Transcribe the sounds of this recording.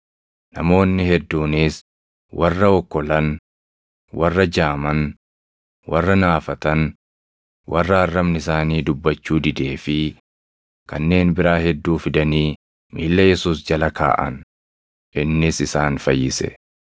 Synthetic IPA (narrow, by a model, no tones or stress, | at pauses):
nɐmo̞ːnːɪhɛd̪ːuːniːs | wɐrːɐɔkːɔlɐn | wɐrːɐd͡ʒaːmɐn | wɐrːɐnaːfɐt̪ɐn | wɐrːɐɐrːɐmnɪsaːniːd̪ʊbːɐt͡ʃːuːd̪ɪd̪e̞ːfɪ | kɐnːe̞ːnbɪɾaːhɛd̪ːuːfɪd̪ɐniː | miːlːɐjɛsuːsd͡ʒɐlɐka̰ːʔɐ̰n | ʔɪnːɪsɪsaːnfɐjːɪsɛ̰